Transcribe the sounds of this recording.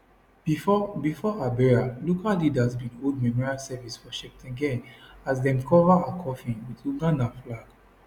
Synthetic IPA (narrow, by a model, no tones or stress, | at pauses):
bifɔʔabɛɹalokallidasbĩnoldmɛmɔɹialsɛvisfɔʃɛk̚tʰɛ̃ɡɛ̃nasdɛ̃mkʰɔvaãkʰɔfĩwituɡãnaflaɡ̥